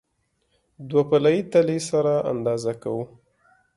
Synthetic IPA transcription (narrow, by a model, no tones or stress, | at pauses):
d̪wapalajit̪alesaɾaʔa̰nd̪ɑzaka̰wu